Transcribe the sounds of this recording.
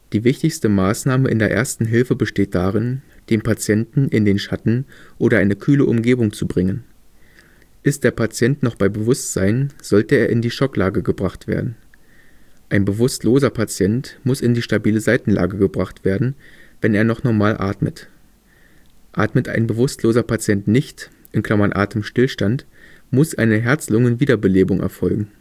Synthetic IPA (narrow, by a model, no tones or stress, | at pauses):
d̥iːvɪçtɪçstəmaːsnaːməʔɪ̰ndeːɐʔḛːɐstn̩ɦɪlfəbəʃteːt̚d̥aːʁɪnd̥eːnpʰat͡sjɛntn̩ʔɪndeːnʃatn̩ʔoːɾɐʔaɪnəkʰyːləʔʊmɡeːbʊŋt͡subʁɪŋən | ʔɪst̚d̥eːɐpʰat͡sjɛntnɔχb̥aɪbəvʊstz̥a̰ɪnz̥ɔltəeːɐʔɪndiːʃɔkla̰ːɡəɡəbʁaχtv̥ḛːɐdn̩ | ʔaɪnbəvʊstloːzɐpʰat͡sjɛntmʊsɪndiːʃtabiːləzaɪtn̩lʔa̰ːɡəɡəbʁaχtv̥eːɐdn̩vɛneːɐnɔχnɔɐmaːlʔa̰ːtmə̰t | ʔa̰ːtmətʔa̰ɪnbəvʊstloːzɐpʰat͡sjɛntnɪçt | ʔɪnkl̥amanʔa̰ːtəmʃtɪlʃtantmʊsʔa̰ɪnəɦɛɐt͡slʊŋənviːdɐbəleːbʊŋʔɛ̰ɐfɔlɡŋ̩